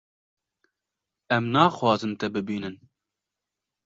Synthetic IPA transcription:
ɛmnɑːxwɑːzɨnt̪ɛbɨbiːnɨn

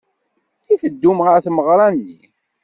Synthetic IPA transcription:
iθəd̪ːumʁəɾθməʁɾˤɑnːḭ

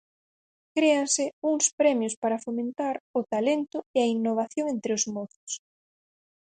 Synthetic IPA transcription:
kɾeaŋsɪuŋspɾɛmjʊspaɾɐfomẽnt̪aɾʊt̪alent̪ʊeainːoβ̞aθjoŋent̪ɾɪozmɔθʊ̥s

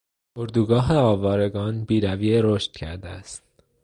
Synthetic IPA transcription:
ʔoɾd̪uːɡɒːɦeɒːvɒːɾe̞ɡɒːnbiːɾæviːeɾoʃt̪̚cʰæ̰ɾd̪eæst̪̚

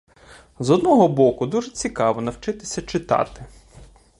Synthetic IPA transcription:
zɔd̪nɔɦɔbɔkʊd̪uʒɛt͡sʲikɑʋɔnɐwt͡ʃɪt̪ɪsʲɐt͡ʃɪt̪ɑ̰t̪ɪ

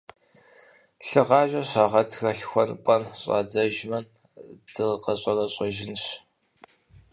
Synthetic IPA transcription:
ɬɨʁɑːʒʼɐɕɑːʁɐtʰxɐɬxʷɔnpʼɐnɕʼɑ̰ːd͡zɐʒmɐn | d̥ɨqɐɕʼɐrɐɕʼɐʒɪnɕ

